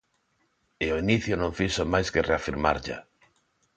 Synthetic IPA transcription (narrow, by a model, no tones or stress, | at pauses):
ɪoiniθjʊnõɱfisomajskereafiɾma̰ɾʎa̰